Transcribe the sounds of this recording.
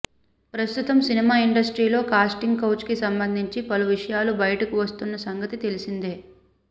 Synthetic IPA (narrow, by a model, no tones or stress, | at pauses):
pɾɐst̪ut̪ɐmsinimaːiɳɖɐsʈɾiːlo̞ːkaːsʈiŋɡkɐwt͡ʃkisɐmbɐnd̪ʱiɲt͡ʃipɐluʋiʂɐjaːlubɐjɐʈɐkuʋɐst̪unːɐsɐŋɡɐt̪it̪e̞lisind̪e̞ː